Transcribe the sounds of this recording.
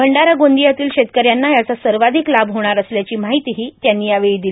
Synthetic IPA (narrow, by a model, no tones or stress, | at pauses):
bʱəɳɖaɾaɡond̪ijat̪iːlɕet̪̚kəɾjanːajat͡sasəɾʋad̪ʱiklabɦoɽ̃aɾəsljat͡ɕiːmaɦit̪iɦiːt̪janːiːaʋeɭiːd̪il